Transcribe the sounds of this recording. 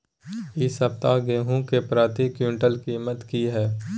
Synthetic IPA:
ɪsəp̚t̪aɡeːɦũkepɾaːt̪ikjuːɳʈəlkiːmət̪kiɦɛː

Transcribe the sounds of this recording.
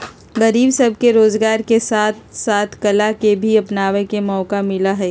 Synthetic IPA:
ɡəɾiːbsɐb̚ʱkeɾoːzɡaːɾkesaːt̪̚ʰsaːt̪ʰkɐlakebʱiɐpnaːʋẽkemɔːkamɪlaɦɛː

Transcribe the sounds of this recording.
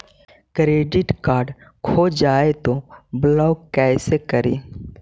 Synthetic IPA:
kɾeːɖɪʈkaːɾɖkʰoːd͡ʒaːet̪oblɔːɡkɛːsekəɾeː

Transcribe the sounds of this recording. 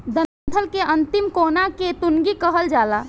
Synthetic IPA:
d̪ənnt̪ʰəlkeʔənt̪imkonaket̪unɡikəɦəld͡ʒala

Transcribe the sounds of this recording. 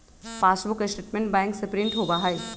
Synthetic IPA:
paːsbʊkɐsʈeːʈmẽɳʈbɛ̃ːŋksepɾɪ̃ɳʈɦoːbaːɦai

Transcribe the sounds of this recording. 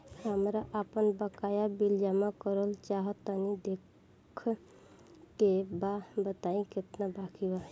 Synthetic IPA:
həmɾaʔəpənbəkajabild͡ʒamakəɾəlt͡ʃaɦət̪ənid̪ekʰ | kebabət̪aĩket̪nabakiba

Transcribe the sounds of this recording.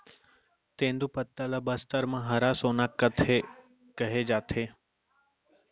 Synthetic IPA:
t̪ẽːnd̪upət̪ːələbəst̪əɾmãɦəɾasoːnakːət̪ʰe | kəɦed͡ʒaːt̪ʰe

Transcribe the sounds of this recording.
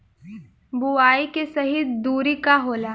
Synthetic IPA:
buaːikesɐɦid̪uːɾikaɦoːlaː

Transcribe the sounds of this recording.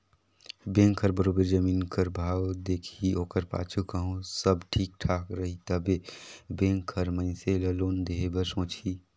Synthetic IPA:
bẽŋkʰːəɾbəɾobəɾd͡ʒəmiːnkəɾbʱawd̪ekʰioːkəɾpa̰t͡ʃʰukəɦũsəbʈʰiːk̚ʈʰakɾəɦit̪əbebẽŋkʰːəɾmə̃ɪ̃seləloːnd̪eɦebəɾsõːt͡ʃʰi

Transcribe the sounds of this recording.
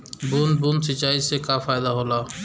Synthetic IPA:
buːnbuːnsɪt͡ʃaːisekaːfaːjɪd̪aɦoːlaː

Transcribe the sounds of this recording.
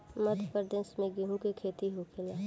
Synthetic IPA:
məd̪ʱpəɾd̪ẽnsmẽɡiɦũkekʰeːt̪iɦokʰelaː

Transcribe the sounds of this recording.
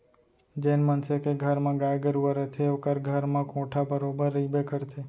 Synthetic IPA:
d͡ʒenmənsekeɡʱəɾmãɡajɡəɾuʋəɾət̪ʰeokəɾɡʱəɾmãkõʈʰabəɾobəɾːibekəɾt̪ʰe

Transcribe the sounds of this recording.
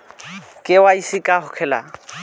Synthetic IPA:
kʼɪwaisikʼahʊkʰɛla̰

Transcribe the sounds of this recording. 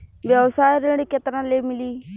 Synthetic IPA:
bjəʋsaːɾeɽiːket̪ɾãːleːmɪliː

